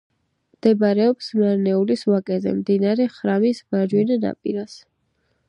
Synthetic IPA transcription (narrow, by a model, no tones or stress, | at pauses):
md̪̥ɛbɾɛɔpsmaɾnɛuliswakʼɛzɛ̰md̪inaɾɛχɾamisbaɾd͡ʒwinana̰pʼiɾas